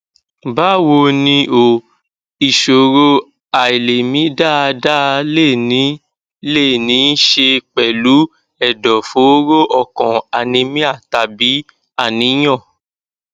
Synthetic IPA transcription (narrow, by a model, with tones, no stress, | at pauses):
ba˦wo˧nĩ˧ʔo˨ | i˨ʃo˨ɾo˧ | a˨i˨le˨mĩ˨˦da˦˧da˦˧le˦˨nĩ˨˦ | le˦˨nĩ˨˦n˦ʃe˧k͡pɛ˨lu˨˦ | ɛ˦˨dɔ˨fo˨˦ɾo˦ʔɔ˦˨kɔ̃˨a˨nĩ˧mĩ˦a˦˨ta˧˨bi˨˦ | a˦˨nĩ˧˦j̃ɔ̃˦˨